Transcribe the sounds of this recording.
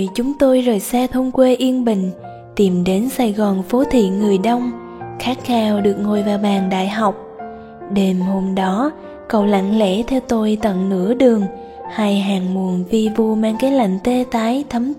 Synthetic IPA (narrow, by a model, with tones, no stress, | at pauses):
t͡ɕʊ˨˦ŋ͡mt̪o˧jzoː˨˩jsɛ˧t̪ʰə˧wŋ͡mkwe˧ʔi˧ənɓï˧˨ŋ̟ | t̪i˨˩mɗe˨˦nsa˧˩jɣɔ˨˩nfo˨˦t̪ʰḭ˧˨nŋɨ˨˩əjɗə˧wŋ͡m | xaː˦˥k̚xaː˧wɗɨ˨˩ək̚ŋo˨˩jvaː˨˩wɓaː˨˩ŋɗa̰ː˧˨jɦa˨˩wk͡p̚ | ɗe˨˩mho˧mɗɔ˨˦ | kə̰˧˨wla̰˧˨ŋlḛ˧˥t̪ʰɛ˧wt̪o˧jt̪ə̰˧˨nnɨ̰˧˥əɗɨ˨˩əŋ | ha˧jɦaː˨˩ŋmu˨˩ənvi˨˩vu˨˩maː˧ŋkaː˨˦jla̰˧˨jŋ̟t̪e˧t̪aː˨˦jt̪ʰə˨˦m